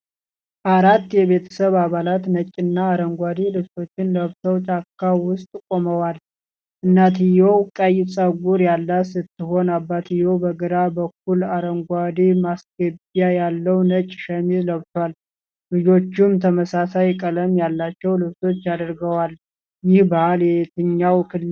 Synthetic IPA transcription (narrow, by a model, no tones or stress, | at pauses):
ʔaɾat̪ːjɛβe̞t̪ʰə̥səβaβalat̪nət͡ʃʼːɪnːaːɾəŋɡʷad̪ilɨβso̞t͡ʃːɪnləβt̪ʰəwt͡ʃʼakʰːawʊst̪ʼkʼo̞məwal | ʔɨnːat̪ʰijowkʼəjsʼəɡuɾjalːasɨt̪ʰːɨɦo̞nabːat̪ʰijobəɡəɾabək̚ːulaɾəŋɡʷad̪imasɡəbjajalːəwnət͡ʃʼʃəmizləβt̪ʰwal | lɨd͡ʒo̞t͡ʃːumt̪ʰəməsasajkʼələmjalːat͡ʃːɛwlɨβso̞t͡ʃːjad̪əɾɡəwal | jɪhbahaljɛt̪ʰɨɲːawkʰɨl